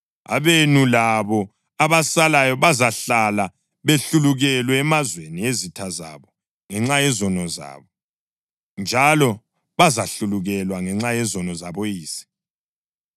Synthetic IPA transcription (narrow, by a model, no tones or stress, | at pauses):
a̰βenulaβɔ | aβasalajɔβazaɬala | βeɬuluɣɛlwɛːmazweniezitʰaza̰βɔ | ŋɛŋ͡ǁajɛzɔnɔza̰βɔ | nd͡ʒʱalɔ | βazaɬuluɣɛlwaŋɛŋ͡ǁajɛzɔnɔzaβojiːsi̥